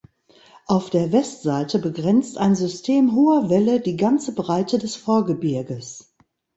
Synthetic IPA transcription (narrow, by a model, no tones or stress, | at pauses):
ʔaʊfd̥eːɐvɛstz̥aɪtəbəɡʁɛnt͡stʔaɪnzʏstʰeːmɦoːɐvɛlədiːɡant͡səbʁaɪtədɛsfoːɐɡəbɪɐɡəs